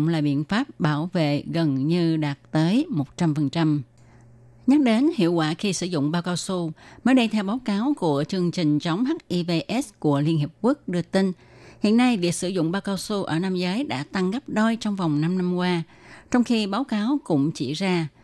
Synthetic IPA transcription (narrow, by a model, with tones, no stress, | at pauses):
ŋ͡mlaː˨˩ɓḭ˧˨ənfaː˦˥p̚ɓaː˧˩wvḛ˧˨ɣə˨˩nɲɨ˧ɗaː˨˩t̚t̪əː˨˦jmo˨˩t̚t͡ɕa˧mfə˨˩nt͡ɕa˧m | ɲa˦˥ɗe˨˦nhḭ˧˨əwkwa̰ː˧˩xi˧sɨ̰˧˩zʊ̰˧˨ŋ͡mɓaː˧wkaː˨˦wsu˧məː˨˦jɗə˧jt̪ʰɛ˧wɓaː˨˦wkaː˨˦wku˧˩ət͡ɕɨ˧əŋt͡ɕï˨˩ŋ̟t͡ɕə˨˦wŋ͡mɦa˦˥k̚ʔi˧ve˧ʔɛ˦˥sku˧˩əli˧ənhi˨˩əp̚ku˦˥ək̚ɗɨ˧ət̪ï˧ŋ | hḭ˧˨ənːa˧jvi˨˩ək̚sɨ˧˩zʊ̰˧˨ŋ͡mɓaː˧wkaː˨˧wsu˧ʔə̰ː˧˩na˧mzəː˨˦jɗa̰ː˧˥t̪a˧ŋɣa˦˥p̚ɗo˧jt͡ɕɔ˧wŋ͡mva˨˩wŋ͡mna˧mna˧mkwaː˧ | t͡ɕɔ˧wŋ͡mxi˧ɓaː˨˦wkaː˨˦wkʊ̰˧˥ŋ͡mt͡ɕi˧˩zaː˧